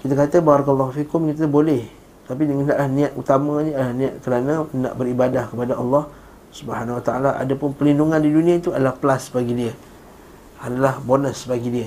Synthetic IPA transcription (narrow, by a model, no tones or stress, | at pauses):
kit̪əkat̪əbaɾɑkəlˤːɔhufikʊmkit̪̬əbolɛh | t̪ap̬idəŋandaʔlahnĩat̪̚ut̪amaɲəadlahnĩaʔ̪̚kəɾanãna̰ʔbəɾibadahkəpadaɑlːɑh | subəhanawat̪aalaʔa̰dapʊnpəlinduŋandidunĩait̪uadalahpəlasbaɡidiə | adalahbonəsbaɡidiə